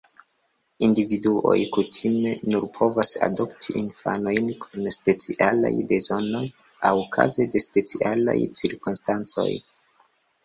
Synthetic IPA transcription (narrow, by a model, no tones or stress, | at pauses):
individuo̞̰jkutʰime̞nuɾpʰo̞vasa̰do̞ptʰiʔinfano̞jnkʰunspe̞t͡siʔala̰jbe̞zo̞no̞j | awukʰa̰zede̞spe̞t͡siʔala̰jt͡siɾkunstant͡so̞̰j